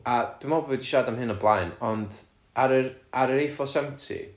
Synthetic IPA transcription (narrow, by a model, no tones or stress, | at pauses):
ad̥wɪmɔbvɨːdiʃadamɦɨnɔblˠajnɔnd | aɾəaɾəɾejfɔsɛmtʰḭ